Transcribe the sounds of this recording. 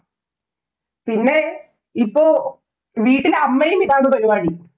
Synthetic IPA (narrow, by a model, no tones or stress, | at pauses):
pinːe̞ | ipːoː | ʋiːʈːilɐmːejumiðaːnɨpɐɾiʋaːɳi